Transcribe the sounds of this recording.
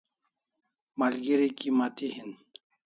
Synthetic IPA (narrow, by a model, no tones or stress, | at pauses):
malɡiɾikimat̪ihin